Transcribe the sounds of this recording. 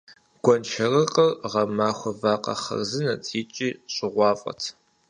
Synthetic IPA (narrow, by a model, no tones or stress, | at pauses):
ɡ̥ʷɔnʃʰɐrɨqʼɐrʁɐmaːxʷɔvaːqʼɐ̰χɐ̰rzɨnɐt͡sʼʰiːt͡ʃʼiːɕʼɪʁʷɑːfʼɐ̰tʰ